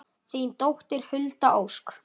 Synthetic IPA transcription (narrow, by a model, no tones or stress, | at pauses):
θiːnt̪owht̪ɪɾ̥hʏlt̪aʔowsk